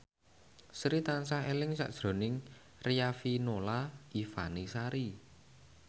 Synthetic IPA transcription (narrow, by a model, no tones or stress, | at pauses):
sɾit̪ansaelɪŋsa̰ʔd̥ʒ̥ɾo̤nɪŋ | rijafinolaʔifa̰nisaɾi